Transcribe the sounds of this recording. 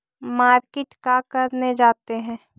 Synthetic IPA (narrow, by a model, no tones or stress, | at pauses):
maːɾkeʈkakɐɾned͡ʒaːt̪eɦɛ̃ː